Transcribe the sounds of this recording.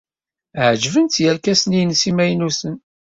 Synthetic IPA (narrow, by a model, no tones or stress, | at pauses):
ʕd͡ʒvənt̪jælkæsnijnsimæjnusən